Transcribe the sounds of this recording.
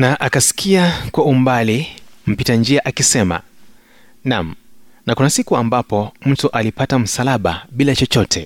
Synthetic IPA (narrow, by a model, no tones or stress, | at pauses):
naʔakasi̥kʰiakwaum̩balim̩pitand͡ʒiaʔakisɛma̰ | nam̩nakunasikuambapɔm̩tuʔalipatam̩salaɓa̰ɓilat͡ʃɔt͡ʃɔtʰɛ